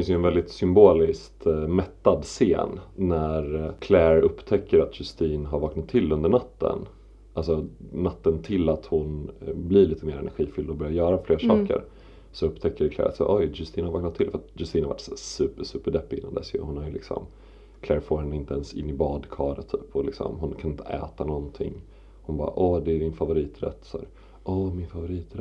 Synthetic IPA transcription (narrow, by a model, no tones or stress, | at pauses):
ɛfɪnsjɵɛnvɛld̪ɪt̪sʏmboːlɪskt̪mɛt̪ːad̪sḛːnːæɾkʰlæɾɵpt̪ʰɛkːəɾat̪jɵst̪iːnɦaɾvɑːknat̪ʰːɪlːɵnd̪əɳat̪ːə̰n | alsɔnat̪ːənt̪ʰɪlːat̪hʊnbliɾɭiːt̪əmeːɾɛnæ̰ɾɧiːfʏld̪ɔbœɾjaɾjœːɾafleːɾaʂɑːkə̰ɾ | sɔɵpːt̪ʰɛkːəɾɛkʰlɛ̰ːɾa̰t̪sæ̰ːɾʔɔjd͡ʒɵst̪iːnhaɾvɑːknat̪ʰːɪlfœɾat̪jɵst̪iːnhava̰ʈːsæːsʉ̟ːpəɾʂʉ̟ːpːəɖɛpːɪɪnːa̰nd̪ɛ̰sjɵ̰hʊnhaɾjəlɪksɔ̰m | kʰlɛːɾfoːɾhɛnːəɪnt̪əɛnsɪ̰nːɪbɑːd̪kʰɑːɾət̪ʰːy̰ːpɔlɪksɔ̰mɦʊnkʰanɪnt̪ʰəʔɛ̰ːt̪anɔnt̪ʰɪ̰ŋː | hʊnbɑːɾaʔɔːd̪ɛæɖɪnfavʊɾiːt̪ɾɛ̰t̪ːsæ̰ːɾ | ʔɔmɪnfavʊɾiːt̪ɾ